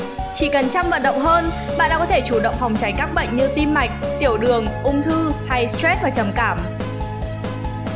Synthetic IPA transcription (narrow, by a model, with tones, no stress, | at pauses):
t͡ɕḭ˧˨kə˨˩nt͡ɕa˧mvə̰˧˨nɗə̰˧˨wŋ͡mɦəː˧n | ɓa̰ː˧˨nɗaː˧˥kɔ˨˦e˧˩t͡ɕu˧˩ɗə̰˧˨wŋ͡mfa˨˩wŋ͡mt͡ɕa˨˦jkaː˦˥k̚ɓə̰˧˨jŋ̟ɲɨ˧t̪i˧mma˨˩jk̟̚t̪i˧˩əwɗɨ˨˩əŋʔʊ˧ŋ͡mt̪ʰɨ˧ha˧jst̪wɛ˦˥t̚vaː˨˩t͡ɕə˨˩mkaː˧˩m